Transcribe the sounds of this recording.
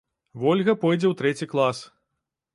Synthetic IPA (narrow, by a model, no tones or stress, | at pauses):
vɔlʲɣɐpɔjd͡zʲɛwt̪ɾɛt͡sʲiklˠas